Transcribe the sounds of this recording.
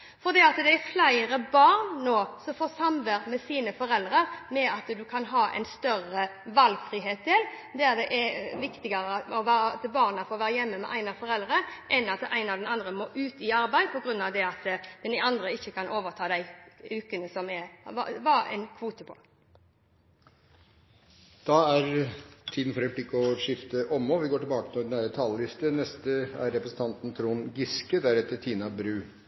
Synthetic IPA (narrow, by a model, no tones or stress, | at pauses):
fɔɾd̪iːɑt̪d̪ɛæflæɪɾəbɑːʁnːoːsɔmfoːsɑmʋəɾmɛsiːnəfɔɾɛld̪ɾəɾmɛɑt̪d̪ʉkʰɑnɦɑːʔɛ̰ɪnst̪œɾəʋɑlɡfʁiːɦeːt̪̚d̪ɪl | d̪ɛɛɾd̪ɛʔɛʋɪkt̪ɪɡəɾəɔʋæːɾət̪əbɑːʁnɑfoːʋæːɾəjɛmːəmɛ̰ʔæɪnɑfɔɾɛld̪ɾəʔɛnɑt̪æɪnɑʋd̪ɛnɑnd̪ʁəmoʔʉːt̪ɪɑɾbæɪd̪pʰɔɡɾʉnːɑʋd̪ɛɑt̪d̪̥ɛnɑnd̪ʁəɪçːəkʰɑnʔoːʋəʁt̪ʰɑːd̪æɪʉːkənəsɔmɛʋɑ̰ʋɑæ̰ɪnkʰʋuːt̪əpʰɔ̥̰ | d̪̥ɑæɾt̪ʰiːd̪n̩fɔɾɛplɪkːəɔʂɪft̪əʔɔmːɔʋɪɡoːʈɪbɑːkət̪ɔd̪ɛnæːɾət̪ʰɑlːəlɪst̪ənɛst̪əæɾɾɛpɾəsn̩t̪ɑnt̪n̩t̪ʰɾuːnɡɪskəd̪æɾɛt̪ːət̪ʰiːnɑbɾʉː